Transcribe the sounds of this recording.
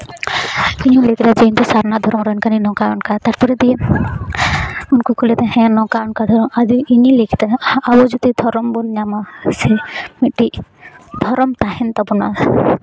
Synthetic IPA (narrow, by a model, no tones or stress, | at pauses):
iɲũlikɾad͡ʒeint̪usaɾnad̪ʱɔɾɔmɾɔnkaninɔkaɔnkat̪aɾpɔɾed̪ie | unkukʰulɛt̪ɛɦɛ̃nɔkaɔnkad̪ʱɔɾɔmadiiɲilikʰi̥t̪ɛabɔd͡ʒut̪id̪ʱɔɾɔmbɔnɲamasemiʈːid̪ʱɔɾɔmt̪aɦɛnt̪abɔna